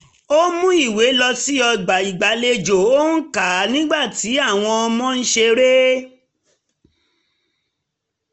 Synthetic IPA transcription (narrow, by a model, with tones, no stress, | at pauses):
o˦mũ˦i˦˨we˨˦lɔ˧si˦ɔ˧ɡ͡ba˨i˨ɡ͡ba˨˦le˧d͡ʒo˨o˦n̩˦ka˨˦nĩ˦ɡ͡ba˦˨ti˨˦a˦˨w̃ɔ̃˧ɔ˧mɔ̃˦n̩˦ʃe˧ɾe˦